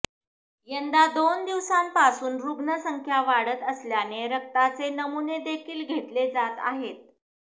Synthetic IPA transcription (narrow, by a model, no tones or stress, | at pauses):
jənd̪ad̪ond̪iʋsampasuːnɾuɡnəsəŋkʰjaʋaɽət̪əsljaneɾək̚t̪at͡senəmuned̪ekʰiːlɡʱet̪led͡zat̪a̰ɦet̪̚